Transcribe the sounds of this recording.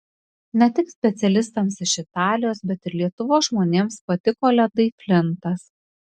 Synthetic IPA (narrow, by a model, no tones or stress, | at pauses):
nʲɛt̪ʲɪksʲpʲɛt̪sʲɛlʲɪst̪ɐmsɪʃɪt̪ɑːlʲɪjoːsbʲɛt̪ɪɾlʲiɛt̪ʊʋoːsʒmoːnʲeːmspɐt̪ʲɪkoːlʲɛd̪ɐɪpʲlʲɪnt̪ɐs